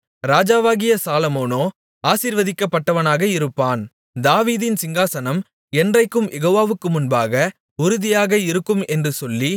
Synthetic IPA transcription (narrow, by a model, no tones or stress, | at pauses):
ɾaːd͡ʒaːʋaːɣɪjɐsaːlɐmoːnoː | aːsiːɾʋɐðɪkːɐpːɐʈːɐʋɐnaːɣɐɪɾɯpːaːn | d̪aːʋiːðɪnsɪŋɡaːsɐnɐm | ɛndrɐɪkːɯmjɛɣoːʋaːʋɯkːɯmʊnbaːɣɐ | ʊɾʊðɪjaːɣɐɪɾɯkːɯmɛndrɯsɔlːi